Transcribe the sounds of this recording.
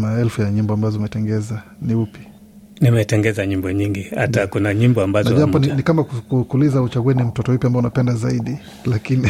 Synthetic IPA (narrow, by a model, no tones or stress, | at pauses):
maɛlfujaɲimbɔambazɔimɛtɛŋɡɛza | niupi̥ | nimɛtɛŋɡɛzaɲimbɔɲiŋɡiha̰takunaɲimbɔambaznaɔuaapɔninikamakukukulizaut͡ʃaɡuɛnim̩tɔtɔipjambaɔunapɛndazaiɗi | lakini